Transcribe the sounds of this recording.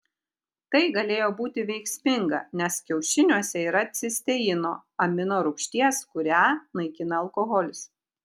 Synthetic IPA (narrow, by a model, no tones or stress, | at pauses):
t̪ɐɪɡɐlʲeːjoːbuːt̪ʲɪʋʲɛɪksʲmʲɪŋɡɐ̰nʲɛskʲɛʊʃʲɪnʲuɔsʲɛiːɾɐɐt̪ʲsʲɪsʲt̪ʲɛjɪno̰ːɐmʲɪnoːɾʊkʃʲt̪ʲiɛskʊɾʲæːnɐɪkʲɪnɐːlˠkoɣɔlʲɪs